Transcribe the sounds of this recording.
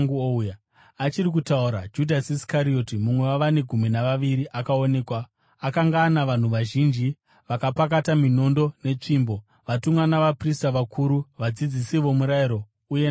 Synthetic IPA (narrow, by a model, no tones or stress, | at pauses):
ŋɡuouja | at͡ʃiɾik̬utauɾa̰d͡ʒudʱasiskaɾio̞timumwe̞waʋane̞ɡʱuminaʋaʋiɾiʔakao̞ne̞ːkwaː | kaŋɡaːnaʋan̤uʋaʒind͡ʒi | ʋakapak̬atamino̞ndo̞ne̞t͡ʂiːmbo̞ | ʋatumwanaʋapristaʋakʰuɾuʋad͡zid͡zisiʋo̞muɾaiɾo̞ | ujen